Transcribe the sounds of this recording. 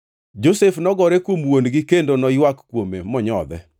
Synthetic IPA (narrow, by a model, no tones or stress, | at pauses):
d͡ʒosefnɔɡɔɾekwomwondɡɪkendonɔjwakkwomemɔɲɔd̪ɛ̰